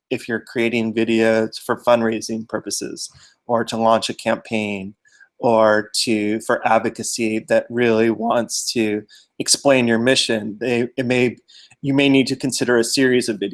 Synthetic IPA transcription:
ɨfjə˞kʰɹ̥ieɪɾɪ̃ŋvɪɾioʊz̥fə˞fʌ̃nɹeɪzɪ̃ŋpʰɜ˞pɨsɪ̰z̥ | ə˞ɾəlɑ̃nt͡ʃɨkʰæ̃mpʰẽɪ̃n | ə˞ɾʰɨfə˞ʔædvɨkɨsiðɨt̚ɹɪlˠiwɑ̃ntstʰɨ | ɨksplẽɪ̃njə˞mɪʃɨ̃nðeɪɨt̚meɪ | jɨmeɪnid̚tɨkʰɨ̃n̩sɪɾə˞ɨsɪɹizʌvɪɾi

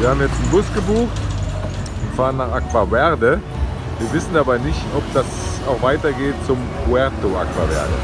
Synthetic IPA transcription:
viːɐhaːbm̩jɛt͡stn̩bʊsɡ̥əbuːx | ʊntfaːʁənːaːχʔakv̥avɛʁdə | viːɐvɪsn̩dabaɪnɪçtɔp̚d̥as | aʊxv̥aɪtɐɡeːt̚t͡sʊmkʰuɛɐtoʔa̰kv̥a̰vɛ̰ɐdə̰

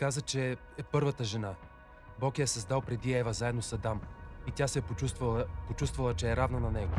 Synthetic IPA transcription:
kazət͡ʃɛ | ɛpɤɾvət̪əʒɛna | bɔkɛɛsɐzd̪alˠpɾɛd̪iɛvəzaɛd̪nosɐd̪amit̪ʲasɛvpot͡ʃust̪vɐlˠət͡ʃɛːɾavnənɐnɛɡo

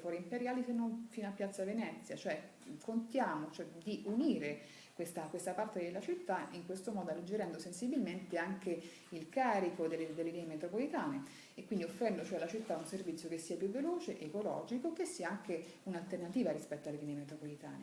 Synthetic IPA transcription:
fɔɾimpeɾjaːlisenːonfiːnoapːjat̪sːavenɛt̪sːjat͡ʃoɛ | kont̪jaːmot͡ʃoɛd̪iʔuniːɾe | kwest̪akwest̪apart̪ed̪elːat͡ʃit̪ːaiŋkwest̪omɔːd̪oalːed͡ʒːeɾɛnd̪osensibilment̪eaŋke | ilkaːɾikod̪elːed̪elːelinemet̪ɾopolit̪aːne | ekːwind̪iofːɾɛnd̪ot͡ʃoɛlːat͡ʃit̪ːaunservit̪sjokesːiːapjuvːeloːt͡ʃeʔekolɔ̰ːd͡ʒikokesːiːaaŋke | unalt̪ernat̪iːvaɾispɛt̪ːoalelinemet̪ɾopolit̪a̰ːne

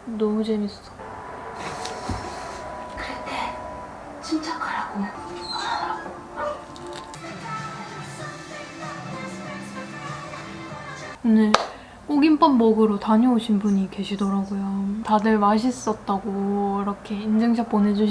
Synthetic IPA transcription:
nʌud͡ʑe̞mis͈s͈ʌ̥ | kɯɾete | t͡ɕint͡ɕ͈akaɾaɡo | unɯɭ | k͈oɡimp͈ʌnbʌɡɯɾotaɲioɕʰinbuɲike̞ɕʰidʌɾaɡojotadɯɭmaɕ̬ʰis͈ʌt̚t͈aɡoiɾʌkʰe̞ind͡ʑeŋɕʰak̚p͈onɦe̞d͡ʑuɕ

